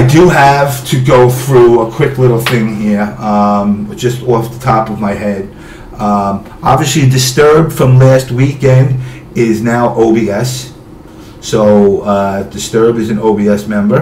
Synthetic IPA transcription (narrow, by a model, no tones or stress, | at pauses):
aɪdɨəv̥tʰɨɡoʊθɹuəkʰw̥ɪklɪɾl̩ˠθɪ̃ŋɦiɹʌ̃m̥d͡ʒʌstɔfðətʰɑpʌvmaɪhɛd | ʌ | ɑ̰bviɨslidɨstɜ˞b̚d̥fɹʌ̃mlæst̚wikɛ̃nd | ɪznaʊʔoʊbiɛsː | oʊʌd̥ɨstɜ˞b̚dɨzɨ̃n̩oʊbiɛsmɛ̃mbə˞